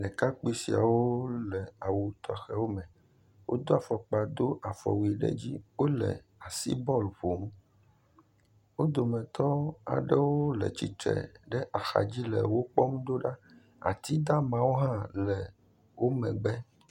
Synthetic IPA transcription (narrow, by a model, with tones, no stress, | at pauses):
nɛ̃˨ka˦k͡pi˦si˨a̰˨wo˦lɛ˨a˨wu˨t̪ɔ˦xɛ˦wo˦mɛ̃˨ | wʔo̰˦d̪o˦a˨fɔ˨k͡pa˨d̪o˦ʔa˨fɔ̰˨wi˨ɖɛ̰˦d͡ʑi˦wo˦lɛ̰˨a˨sḭ˦bɔ˦lɸo˨m˦ | wo˦d̪o˨mɛ̃˨t̪ɔ˦a̰˨ɖɛ˦wo˦lɛ̰˨t͡ɕi˨t̪ɾɛ̰˨ɖɛ˦ʔa˨xa̰˨d͡ʑi˦lɛ̰˨wo˦k͡pɔ˦m˦d̪o˦ɖa˦ | a̰˨t̪i˦d̪a˦mã˨˦wo˦ɦã˦lɛ˨ | wo˦mɛ̃˨ɡ͡bɛ˦